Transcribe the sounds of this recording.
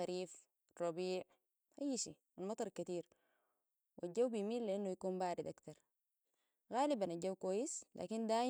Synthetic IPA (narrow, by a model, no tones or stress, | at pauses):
aɾiːf | rˤːɑbiːʕ | ʔajːʃiː | manmɑt̪ˤɑɾˤkat̪iːɾ | wad͡ʒawbijmiːnliʔanːujakuːnbaːɾid̪ʔakt̪ɑɾˤ | ɣaːlibanaɟawkwaːjːisla̰ːkind̪aː